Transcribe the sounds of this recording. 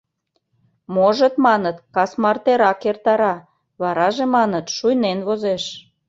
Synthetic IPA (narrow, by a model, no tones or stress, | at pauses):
moʒə̆t̪mɑnət̪kɑsmɑrt̪eɾɑkert̪ɑɾɑ | βɑɾɑʒemɑnət̪ʃujnenβozeʃ